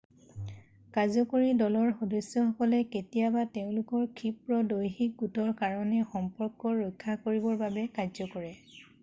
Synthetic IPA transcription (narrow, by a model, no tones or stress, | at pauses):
kazɔkoɹidɔlɔɹxɔdɔsːɔxɔkɔlɛketijabateʊ̃lʊkɔɹkʰipɹɔdojxik̚ɡutɔɹkaɹɔnɛxɔmpɔɹkːɔɹɔjkʰːakoɹibɔɹbabɛkazɔkɔɹɛ